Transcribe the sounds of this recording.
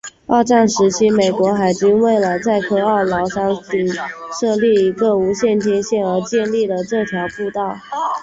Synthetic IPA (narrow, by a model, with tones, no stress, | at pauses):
ɑ̰˥˧ʊʈ͡ʂa˥˩nʂɻ̩˧˥t͡ɕʰi˧˥me˨˩ɪkwɔ˧˥xa˨˩ɪt͡ɕy˥nwe˥˩ɪlə˩t͡sa˥˧ɪkʰɤ˥˧ɑ˥˩lɑ˧˥ʊʂɑ˥ŋi˨˩ŋʂɤ˥˧li˥˩i˧˥ɡə˩˨u˧˥ɕjɛ˥˩nt̪ʰjɛ˥nɕjɛ˥˩nə˞˧˥t͡ɕjɛ˥˧nli˥˩d̪ə˩ʈ͡ʂɤ˥˩t̪ʰjɑ˧˥ʊpu˥˧t̪ɑ˥˩ʊ